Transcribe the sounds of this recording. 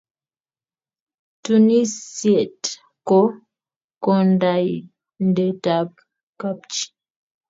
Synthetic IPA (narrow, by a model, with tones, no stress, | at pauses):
tu˦ni˦sjɛ˨t | kɔ˦ | kɔ˦˨nda˨j | n˦də˨ta˨p̚ | ka˦p̚t͡ʃi̥˦